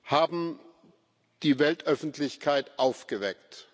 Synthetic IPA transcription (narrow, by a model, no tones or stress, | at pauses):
haːbm̩ | d̥iːvɛltʔœfn̩tlɪçkʰaɪtʔaʊfɡ̥əvɛkt